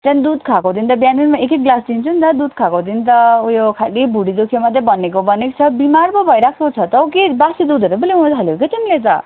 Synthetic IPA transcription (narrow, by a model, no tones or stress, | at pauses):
t̪anid̪ud̪kʰakod̪int̪ʌbjaninmaekek̚ɡlasd̪int͡sʰunt̪ʌd̪ud̪̚kʰakod̪int̪ʌujokʰalibʱuɽid̪okʰemʌd̪ʱjebʌnekobʌnekt͡sʰʌbimarbʌbʱʌjɾakʰekot͡sʰʌt̪ʌkebasid̪ud̪ʱʌɾubʌliũt̪ɦʌloket̪inilet͡sʌ̰